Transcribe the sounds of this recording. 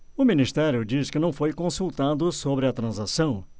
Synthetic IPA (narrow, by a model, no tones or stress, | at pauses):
ʊmĩnist̪ɛɾjʊd͡ʒiskɪnɐ̃w̃fojkõsuwt̪ad̪ʊsobɾɪɐt̪ɾɐ̃zasɐ̃w̃